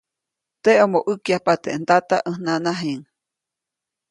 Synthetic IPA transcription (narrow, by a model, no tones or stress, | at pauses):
t̪eomoʔɨkjapat̪eʔnt̪at̪aʔəhnãnaɦeŋ